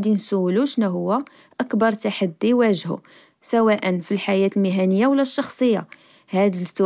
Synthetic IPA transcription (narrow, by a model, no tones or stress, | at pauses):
d̪insuwluʃnæɦʊwːæ | ʔəkbɑɾˤt̪aħad̪ːiwæʒhṵ | sæwæʔənfilħajæt̪lmiɦænəjːawlːæʃːɑxsˤəjːa̰ | hæd̪st̪u